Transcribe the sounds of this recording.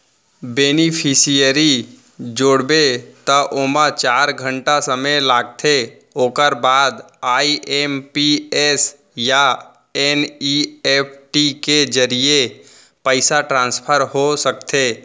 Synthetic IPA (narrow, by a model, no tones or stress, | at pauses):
beːnipʰɪsijəɾi | d͡ʒoːɽbet̪əʔoːmat͡ʃaːɾɡʱə̃ɳʈasəməlaːɡ̚t̪ʰe | oːkəɾbaːd̪ | aːiʔeːmpies | ja | enieːpʰʈiked͡ʒəɾije | pəɪsaʈɾãːnspʰəɾɦosək̚t̪ʰeː